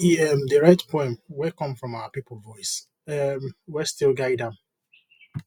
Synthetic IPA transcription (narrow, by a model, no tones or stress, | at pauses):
ɛmdəɹatpʰɔ̃ɪ̃mwikɔ̃mfɹɔ̃maʊəpipl̩ˠvɔɪs | ɛmwistɪlˠɡaɪdãm